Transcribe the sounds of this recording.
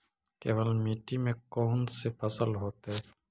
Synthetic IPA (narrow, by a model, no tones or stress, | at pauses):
keːʋəlmiʈimẽkoːnsepʰəsəlɦoːt̪ɦɛ